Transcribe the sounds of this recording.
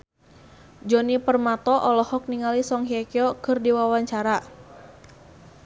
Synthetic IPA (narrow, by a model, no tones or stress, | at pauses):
d͡ʒɔnipərmat̪ɔʔɔlɔhɔk̚niŋalisɔŋɦiakiɔkɨrdiwawaɲt͡ʃaɾa